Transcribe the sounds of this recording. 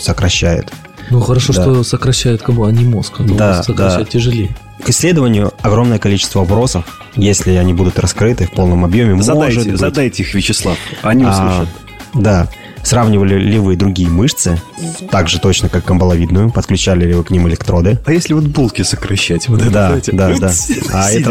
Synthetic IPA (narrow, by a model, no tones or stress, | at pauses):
səkɾɐɕːæjʊ̰t̪ | nuxəɾɐʂoʂat̪osəkɾɐɕːæjʊt̪kəmblˠanʲɪmoskɐasədɐaʃɛtʲːɪʐɨlʲej | kɪsʲːlʲed̪əvənʲɪjʊɐɡɾo̞mnəjəkɐlʲit͡ɕɪ̥st̪vəɐpɾo̞səf | jesʲlʲɪɐnʲibud̪ʊt̪rɐskɾɨt̪ɨfpo̞lˠnəmɐbjomʲɪmzɐd̪aʐɨt̪b̪ɐd̪ajtʲɪixvʲɪt͡ɕɪslˠafɐnʲilˠ | d̪a | sravnʲɪvəlʲɪlʲɪvɨd̪ɾʊɡʲijəmɨʂt̪sɨt̪aɡʐɨt̪o̞t͡ɕnəkakːəmbəlˠɐvʲid̪nʊjʊpət̪̚klʲʉt͡ɕælʲɪlʲɪvɨknʲimɪlʲɪkt̪ɾo̞d̪ɨɐjesʲlʲɪvot̪̚bulˠkʲɪsəkɾɐɕːætʲvot̪ɛtd̪ad̪ad̪aaɛə